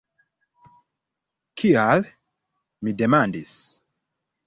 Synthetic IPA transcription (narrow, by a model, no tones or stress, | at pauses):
kʰial | midemandis